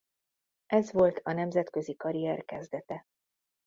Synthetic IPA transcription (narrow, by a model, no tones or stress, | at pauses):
ʔɛzʋo̞lt̪ʰɒnɛmzɛt̪køzikɒɾiɛrkɛzd̪ɛt̪ɛ